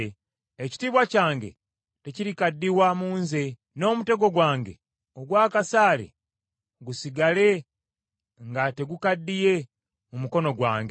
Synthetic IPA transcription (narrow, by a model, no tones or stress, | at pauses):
eci̥tiːβwacaːŋɡe̞̰ | te̞ciɾikadːiwamuːnze̞ | no̞ːmute̞ɡo̞ɡwaːŋɡe̞̰ | oɡwaːkasaːlḛ | ɡusiɡale̞ | ŋɡate̞ɡukadːije̞ | mumuko̞no̞ɡwa̰ːŋɡe